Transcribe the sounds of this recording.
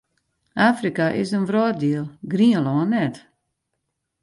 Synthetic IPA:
ʔaːfrikaʔɪsənvrɔːdiəlˠɡɾiənlɔːnːɛt

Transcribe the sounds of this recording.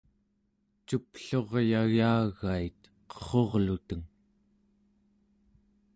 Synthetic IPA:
t͡ʃupɬo̞ʁjaɣaːɣait̪ | qʌ̥χo̞ʁlut̪əŋ

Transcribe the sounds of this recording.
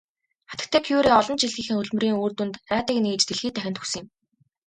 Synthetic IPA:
χat̪ə̆k̚t̪ʰæːkʰuuɾiːɔɮɞ̆nt͡ɕiɮɣiːxɘ̆ŋɵɮmɵ̆riːŋuːrt̪unt̪æːt̪ə̆ːkniːt͡ɕt̪eɮxiːt̪æxʲɪ̆nt̪ʰɵ̥ksə̆ŋjɪ̆m

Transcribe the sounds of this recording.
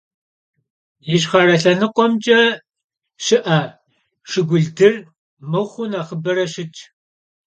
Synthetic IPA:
jɪɕ̬χɐrɐɬɐnɨqʷɔmd͡ʒʼɐ | ʃɪʔaː | ʂɪɡʷʊɮdɨr | mɨwχʷʊnaːχəbɐɾɐʃɪt͡ʃʰʼ

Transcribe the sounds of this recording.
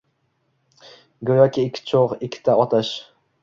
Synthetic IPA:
ɡojakʲiːkʲʰːt͡ʃʰoʁɪkʲʰːɪ̥t̪ʰaɒt̪ʰaʃ

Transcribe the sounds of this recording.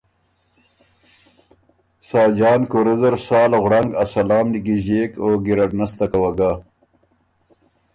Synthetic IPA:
sɑːd͡ʒɑːnkoɾezɐɾsɑːlaɣɽaŋɡasɐlɑːmd̪iɡiʑeːkoːɡiɾɐʈnast̪akawaɡa

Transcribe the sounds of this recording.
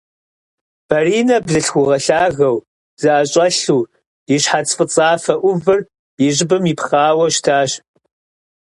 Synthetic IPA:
b̥ɐriːnɐbzɨɬxʷʊʁɐɬaːɣɐw | z̥ɨʔaɕʼɐɬuː | jɪɕħat͡sʼfʼɨt͡sʼaːfɐʔʷʊvɨr | jɪʑɪbɨmipχaːwɐʃtʰaːɕ

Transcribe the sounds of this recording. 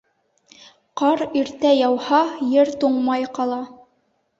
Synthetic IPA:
qɑɾiɾt̪æjɑwhɑjɘɾt̪uɴmɑjqɑlˠɑ

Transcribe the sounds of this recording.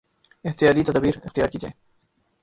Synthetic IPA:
ɪɦt̪ɪjaːd̪it̪ɐd̪abiːɾɪ̰xt̪ɪjaːɾkiːd͡ʒḛː

